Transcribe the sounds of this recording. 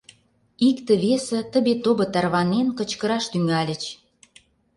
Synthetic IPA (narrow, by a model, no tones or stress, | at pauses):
ikt̪ə̆βesə̆t̪ə̆βet̪obɤ̆t̪ɑrβɑnenkə̆t͡ɕkə̆ɾɑʃt̪yŋælʲə̆t͡ɕ